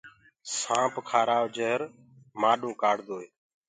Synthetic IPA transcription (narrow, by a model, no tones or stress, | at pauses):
sãːpkʰaːɾaːʋd͡ʒəɦɾ | maːɗũːkaːɽd̪oːeː